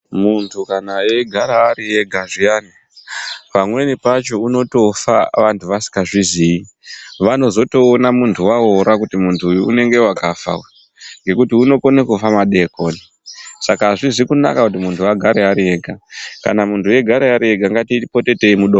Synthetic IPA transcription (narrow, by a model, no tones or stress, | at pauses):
muntʰukanaje̞ɡʱaɾaːɾie̞ɡʱaʐijani | pamwe̞nipat͡ʃo̞uno̞to̞fa̰ʋantʰuʋasi̥kɡaʐizii | ʋano̞zo̞to̞ːnamuntʰuwaoɾakutimuntʰuːjuune̞ŋɡe̞wakafa̰we | ŋɡe̞kutiuno̞konekufamaɗe̞ko̞ːni | sakaːʐizikuna̰kakut̬imuntʰuaɡʱaɾeɦaɾie̞ːɡʱaka̰namuntuje̞ɡʱaɾeaɾie̞ɡʱaŋɡatiipo̞te̞te̞imuɗo